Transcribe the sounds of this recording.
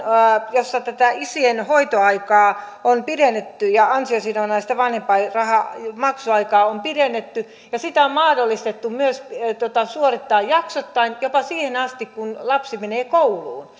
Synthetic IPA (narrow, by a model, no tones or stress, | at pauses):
josːɑt̪æt̪æisienhoit̪oɑikɑː | onpidenːet̪ːyjɑɑnsiosinonɑːsi̥t̪æʋɑnhempɑirɑhɑmɑksuɑikɑːompiɾenːet̪ːy | jɑsit̪æommɑːdolːist̪et̪ːummyøst̪ot̪ɑsuorit̪ːɑːjjɑksot̪ːɑinjopɑsiːhenɑst̪ikkunlɑpsimeneːkoulˑuːn